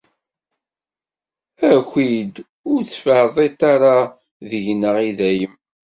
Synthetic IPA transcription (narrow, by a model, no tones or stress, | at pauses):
æxʷid̪ | ʊɾθfəhðˤet̪ːaɾa | ðəʝnəʁiðæjəm